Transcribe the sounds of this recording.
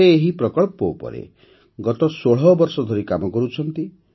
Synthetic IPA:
eːɦipɾɔkɔɭpɔupɔ̰ɾḛ | ɡɔt̪ɔsoɽ̤ɔbɔɾsɔd̪ʱɔɾikamɔkɔɾut͡ʃʰɔnt̪i

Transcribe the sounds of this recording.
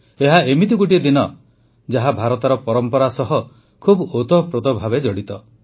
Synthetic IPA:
eɦaemit̪ikuʈid̪inɔ | d͡ʒaɦabʱaɾɔt̪aɾɔpɔɾɔmpɔɾasɔɦɔ | kʰubot̪ɔpɾɔd̪ɔbʱabed͡ʒɔɽit̪ɔ

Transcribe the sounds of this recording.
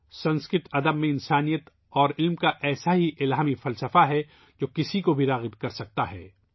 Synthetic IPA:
sɐ̃nskɪt̪ɐd̪əbmẽɪnsaːnijət̪ | ɔːɾɪlmkaʔɛːsaɦiʔɪlaːmifɐlsəfaɦɛ | d͡ʒoːkɪsikobʱiɾaːɣɪbkɐɾsɐk̚t̪aɦɛ̰ː

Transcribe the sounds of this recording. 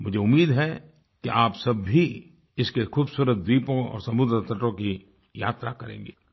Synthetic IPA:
mʊd͡ʒʱeʊmːiːd̪ɦɛ | keʔaːpsɐbʱi | ɪskexuːbsuːɾət̪̚d̪iːpõɔ̰ːɾsɐmʊd̪ɾət̪ɐʈõki | ja̰ːt̪ɾakɐɾḛ̃ːŋɡeː

